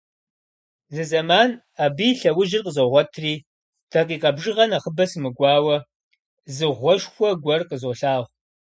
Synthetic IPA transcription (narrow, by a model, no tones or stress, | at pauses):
zɨzɐmaːn | aːbiːɬɐwʊʒɪrqəzoʁʷɔtʰriː | tʰɐqiːqʼɐbʒɨʁɐnaχəbɐsɨmɨɡʷɑːwɐ | zɨʁʷɔʃxʷɔɡʷɐrqəzoɬaːʁʷ